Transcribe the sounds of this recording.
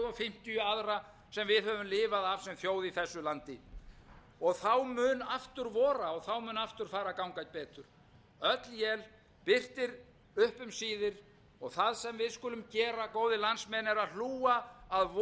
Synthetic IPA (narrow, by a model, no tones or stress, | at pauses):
ðɔfɪm̥t̪ʏjʏaðɾa | sɛmvɪðhœvʏmlɪːvaðavsɛmθjoːwðiθɛsːʏlant̪ɪ | ɔɣθawmʏːnaft̪ʏɾvɔːɾaɔɣθawmʏːnaft̪ʏɾ̥faːɾakawŋkajt̪̚pɛːt̪ʏɾ̥ | œt̪ljɛl | pɪr̥t̪ɪɾ | ʏhpʏmsiːðɪɾ | ɔɣθaðsɛmvɪðskʏlʏmcɛːɾakoːwðɪlansmɛnɛɾaðluːaːðv